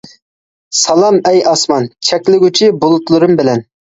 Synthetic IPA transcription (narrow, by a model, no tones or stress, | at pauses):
sɑlˠɑmɛjɑsmɑnt͡ʃʰɛkʲlɪɡʲyt͡ʃʰibolˠʊt̪lˠɨɾʊmbɪlɛn